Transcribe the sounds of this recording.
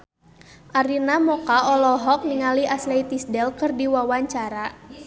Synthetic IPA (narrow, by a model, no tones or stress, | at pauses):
ʔaɾinamɔkaɔlɔɦɔk̚niŋaliaslɛit̪isdɛlkɨrdiwawaɲt͡ʃaɾa